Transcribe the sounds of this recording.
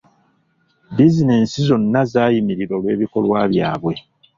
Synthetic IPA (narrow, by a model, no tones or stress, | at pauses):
bizine̞ːnsizo̞nːazaːjimiɾiɾo̞lwe̞ːβiko̞lwaːβjaːβwe̞